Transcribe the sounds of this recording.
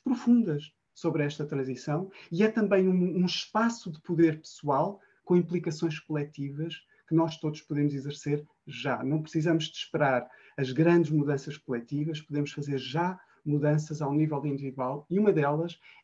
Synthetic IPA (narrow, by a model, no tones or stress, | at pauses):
pɾufũnd̪ɐʃ | soβɾɛʃt̪ɐt̪ɾɐ̃zisɐ̃w̃iɛt̪ɐ̃mbɐ̃j̃ũmɐũʃpasuðɨpuðeɾpɨ̥sualˠ | kõĩmplˠikɐsõj̃ʃkulˠɛt̪ivɐʃ | kɨnɔʃt̪oðuʃpuðemuzizɨɾseɾ | ʒanɐ̃w̃pɾɨ̥sizɐmuʒd̪ɨʃpɨɾaɾ | ɐʒɣɾɐ̃nd̪ɨʒmuðɐ̃sɐʃkulˠɛt̪ivɐʃpuðemuʃfɐzeɾʒa | muðɐ̃sɐzawnivɛlˠd̪ĩnd̪iviðwalˠiumɐðɛlˠɐʃ